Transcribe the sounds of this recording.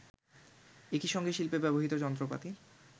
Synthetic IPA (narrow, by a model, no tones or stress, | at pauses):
ekiʃɔŋɡeʃilpebɛboɦit̪od͡ʑɔnt̪ɾopa̰t̪i